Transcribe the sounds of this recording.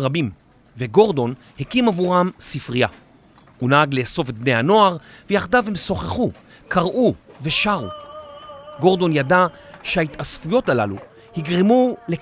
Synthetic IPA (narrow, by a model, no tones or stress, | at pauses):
ʁabim | veɡo̞ʁd̪o̞n | hekimavuʁamsifʁija | unaaɡleso̞vet̪̚bnejhano̞aʁvejaχd̪avemso̞χeχu | kʰaʁʔuve̞ʃaʁṵ | ɡo̞ʁdo̞njadaʃehait̪asfujo̞talalu | hiɡʁimule